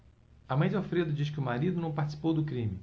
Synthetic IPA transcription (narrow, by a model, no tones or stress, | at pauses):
ɐmɐ̃j̃d͡ʒɪofɾed̪ʊd͡ʒiskɪʊmaɾid̪ʊnɐ̃w̃paɾt͡ʃi̥si̥powd̪ʊkɾĩmɪ